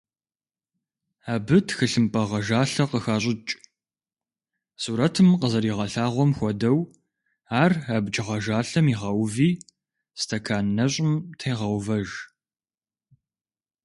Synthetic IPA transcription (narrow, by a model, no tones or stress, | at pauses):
aːbɨtʰxɨɬɨmpʼɐʁɐʒaːɬɐqəxaːɕʼɪt͡ʃʼ | suːɾɐtʰɨmqəzɐɾiːʁɐɬaːʁʷɔmxʷɔdɐw | aːrabd͡ʒʼɪʁɐʒaːɬɐmiʁɐwviː | stʰɐkʰaːnːɐɕʼɪmtʰejʁɐwvɐʒ